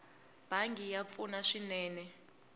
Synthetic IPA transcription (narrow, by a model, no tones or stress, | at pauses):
b̥ʱaŋɡijap̪funaʂinɛːnɛ